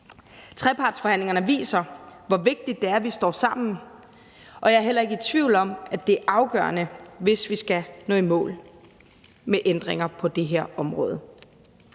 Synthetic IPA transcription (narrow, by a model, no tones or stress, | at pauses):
t͡sʰʁɛpʰɑ̈ːd̥sfɒ̽hæn̰le̝ŋɐnəʋḭːsɐʋɒʋe̝ɡ̥̚d̥id̥ːe̝æɐʋisd̥ɒ̰ːsɑ̈m̰n̩ | ʔɒ̽jɑ̈æɐɦel̰ɐe̝ɡ̥əit͡sʰʋḭʊ̰lɒ̽m̰æd̥e̝æɐʔɑ̈ʊɡ̥ɶ̰ɐnəʋe̝sʋisɡ̥ænɔ̽ːimɔ̰̽ːl | meʔend̥ʁeŋɐpʰɒ̽d̥e̝ɦeɐ̰ɒ̽mʁɔ̽ːðˠə